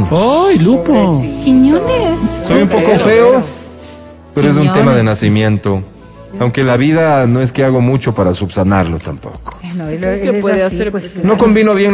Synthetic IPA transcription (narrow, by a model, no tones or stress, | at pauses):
nojlupokiɲonessojumpo̞ko̞fe̞o | peɾoezunt̪e̞maðenasimjẽ̞nt̪o̞ | awŋkelaβiðano̞e̞ske̞aɣo̞mut͡ʃo̞paɾasuβsanaɾlo̞t̪ampo̰ko̥ | no̞ko̞mbino̞βjeŋ